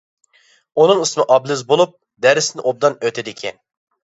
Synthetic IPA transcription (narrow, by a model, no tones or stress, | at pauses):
unɨŋɨsmɪʔɑblˠɨzbolˠup̚ | d̪ɛɾɪsnɪʔob̚d̪ɑnøt̪ʰɪd̪ɪkʲʰɛn